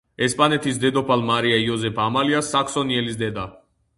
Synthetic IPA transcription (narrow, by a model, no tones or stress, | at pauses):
ɛspʼanɛt̪ʰis̬d̪ɛd̪ɔpʰalmaɾiaiɔzɛpʰamaliasːaksɔniɛlisd̪ɛd̪a